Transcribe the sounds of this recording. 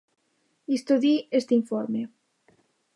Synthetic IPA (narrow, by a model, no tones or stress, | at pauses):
ist̪oðiest̪iɱfoɾme